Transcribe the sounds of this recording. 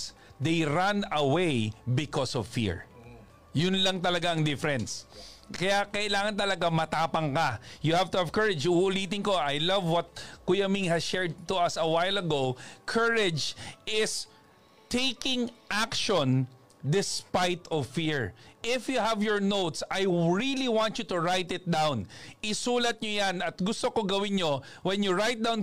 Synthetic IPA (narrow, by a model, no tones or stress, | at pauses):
sd̪ejɾãnɐwejbɪkɔsɔvfḭɹ | jʊnlɐŋt̪ɐlɐɡaɐŋd̪ɪfɛɾɛnskɐjakɐʔɪlaːŋɐnt̪ɐlɐɡamɐt̪aːpɐŋkɐjʊhavt̪ʊɐvkɐɹɪd͡ʒʊʔʔʊliːt̪ɪŋkoʔajlɐvwɐt̪̚kujamiŋhɐsʃɛɹd̪̚t̪ʊɐsɐwajlɐɡowkʰɐɹɪd͡ʒʔɪs | t̪ejkɪ̃ŋʔakʃɔ̃n | d̪ɪspajt̪ɔfiɹʔɪfjuhɐvjɔɹnowt̪sajɹiliwãntt͡ʃut̪ʊɹajt̪ɪt̪̚d̪awnʔɪsuːlɐt̪̚ɲojanɐt̪̚ɡʊst̪okoɡɐwɪnɲo | wɛnjʊɹajt̪̚d̪awn